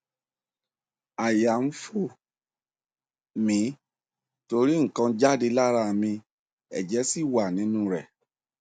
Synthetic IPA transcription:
a˨ja˨m̩˦fu˦˨ | mĩ˨˦ | to˧ɾi˦ŋ̩˨kã˧d͡ʒa˦de˧la˦ɾa˧˨mĩ˧ | ɛ̰˨d͡ʒɛ˨˦si˦˨wa˨nĩ˨˦nũ˦ɾɛ˨

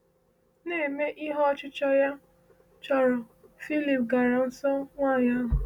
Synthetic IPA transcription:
ne˦˨me˦ʔi˦ɦɔ˦t͡ʃɪ˦t͡ʃɔ˦ja˦ | t͡ʃɔ˨ɾɔ˨ | fi˦li˨pɡa˨ɾa˨n̩˦sɔ˦ŋʷaː˦˨ɲa˦ɦʊ˨

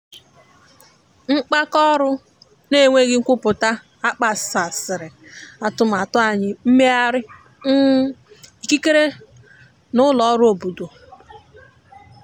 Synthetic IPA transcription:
ŋ͡m̩˦k͡pa˦kɔ˦ɾʊ˦ | ne˦˨ŋʷe˦ɡɪ˦ŋ̩˦kʷʊ˦pʊ˨ta˦ | a˦k͡pa˨sa˨sɪ˨ɾɪ˨a˨tʊ˦m̩˨a˨tʊ˦a˨ɲɪ˦m̩˦me˦a˦ɾɪ˦ | n̩˦i˨ki˦ke˦ɾe˦ | nʊ˦lɔ˨˦ɾʊ˦o˨bu˨do˨

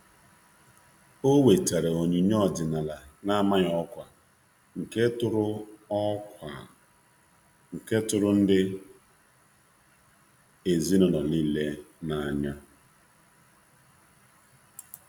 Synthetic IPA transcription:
o˦we˨ta˨ɾe˨o˨ɲi˨ɲ˦ɔ˦˨dɪ˨na˨la˨na˦˨ma˦ɲ˨ɔ˦kʷa˨ | ŋ̩˨ke˦tʊ˦ɾʊ˦ɔ˦ka˨ | ŋ̩˨ke˦tʊ˦ɾʊ˦n̩˦dɪ˦ | e˨zi˦nɔ˨nɔ˨li˦le˦na˨a˨ɲa˦

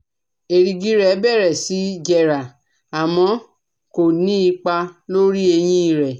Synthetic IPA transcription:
e˨ɾi˧ɡi˨˦ɾɛ˨˦bɛ˦˨ɾɛ˨si˨˦d͡ʒɛ˧ɾa˨ | a˨mɔ̃˧ | ko˨nĩ˦i˧k͡pa˧lo˦ɾi˦e˧j̃ĩ˦i˦˨ɾɛ˨

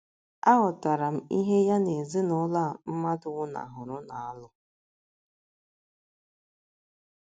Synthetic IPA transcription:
a˦ɦʊ˨ta˨ɾa˨m̩˦i˦ɦe˦ja˦ne˨zi˦nʊ˦la˦˨m̩˦ma˦dʊ˨ŋʊ˦na̰˨ɦʊ˨ɾʊ˦na˨a˦lʊ˦

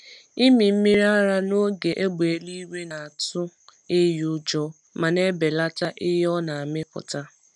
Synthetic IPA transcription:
i˦mi˨m̩˦mi˦ɾa˦ɾa˦no˦ɡe˨ʔe˦ɡ͡be˨˦li˦we˦na˨a˨tʊ˦ | e˦jʊ˦d͡ʒɔ˦ | ma˨ne˦be˨la˦ta˦ʔɪ˦ɦɔ˦na˨a˨mɪ˦kʊ̰˨ta˦

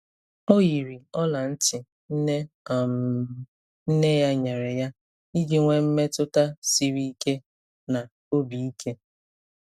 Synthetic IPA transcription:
o˦ji˨ɾi˨ɔ˦la˨n̩˦tɪ˨ | n̩˦ne˦˨ | m | n̩˦ne˦ja˦ɲe˨ɾe˨ja˦ | i˦d͡ʒi˦ŋʷe˦m̩˦me˦tʊ˦ta˦si˦ɾi˦i˦ke˦ | na˨ | o˦bi˨i˦kʰe˦

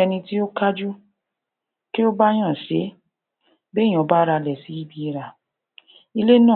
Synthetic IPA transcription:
ɛ˧nĩ˧ti˦o˦ka˦d͡ʒu˦ | ki˦o˦ba˦j̃ã˦˨ʃe˨˦ | bẽ˦˨ɔ̃˨˦ba˦ɾa˧lɛ˨si˨˦i˦bi˧i˧ɾa˨ | i˧le˦nãː˦˨

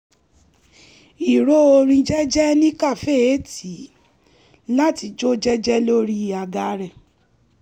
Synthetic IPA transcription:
i˨ɾo˦o˧ɾ̃ĩ˧d͡ʒɛ˦d͡ʒɛ˦nĩ˦ka˦˨fe˦˨e˨˦ti˨˦ | la˦ti˧d͡ʒo˦d͡ʒɛ˦d͡ʒɛ˦lo˦ɾi˦˨a˧ɡa˧ɾɛ˨

